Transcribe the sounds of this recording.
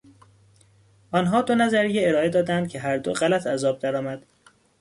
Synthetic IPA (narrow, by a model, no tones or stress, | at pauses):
ɒːnɦɒːd̪o̞næzæɾijeeɾɒːe̞d̪ɒːd̪ænd̪̚cʲʰe̞ɦæɾd̪o̞̰ɢælæt̪ʰæzɒːb̚d̪æɾɒːmæd̪̥